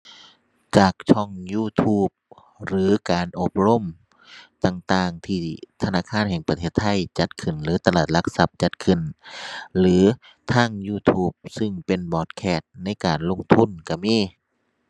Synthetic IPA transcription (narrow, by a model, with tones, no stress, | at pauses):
t͡ɕaː˨˩k̚t͡ɕʰɔ˧˩ŋjuː˧˩t̪ʰuː˧˩p̚ | ɾɯː˨˦kaː˨nʔo˧p̚ɾo˧˥˨m | t̪aː˨˩ŋt̪aː˧˩ŋt̪ʰiː˧˩t̪ʰa˧naː˧˥˨kʰaː˧˥˨nhɛː˨˩ŋpa˧t̪ʰeː˧˩t̪ʰːa˧˥˨jt͡ɕa˧˦t̪̚kʰɯ˨˩nlɯː˨˦t̪a˧laː˨˩t̪̚la˧k̚sa˧˦p̚t͡ɕa˧˦t̪̚kʰɯ˨˧˩n | lɯː˨˦ | t̪ʰaː˧˥˨ŋjuː˧˩t̪ʰuː˧˥˩p̚sɯ˧˨ŋpe˨nbɔː˨˧˩t̪̚kʰɛː˧˩t̪̚na˧˥˨jkaː˨˩nlo˧˥˨ŋt̪ʰu˧˥˨nka˧˩miː˧˥˨